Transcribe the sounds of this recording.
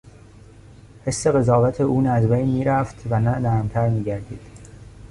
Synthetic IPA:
he̞sːe̞ɣe̞zɒːvæt̪ʰeuːnæzbejnmiːɾæft̪ʰvænænæɾmt̪ʰæɾmiːɟæɾd̪iːd̪̥

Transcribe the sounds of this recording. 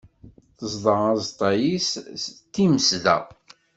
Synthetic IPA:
θəzˤðˤəʁɑzt̪ˤːɑjisst̪ːiməsðæ̰

